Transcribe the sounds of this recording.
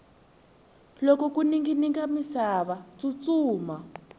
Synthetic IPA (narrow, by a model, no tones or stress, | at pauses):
lɔkɔkuniŋɡiniŋɡamisaβat͡sut͡suːma